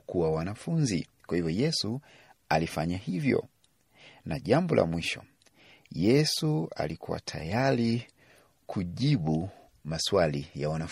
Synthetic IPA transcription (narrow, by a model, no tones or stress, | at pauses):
kuwawanafunzḭkwahivjɔjɛsu | alifaɲahivjɔ̰ | naʄambɔlʔa̰mwiʃɔ | jɛsua̰likuwa̰tʰa̰jali | kʰuʄiɓu | maswalijawana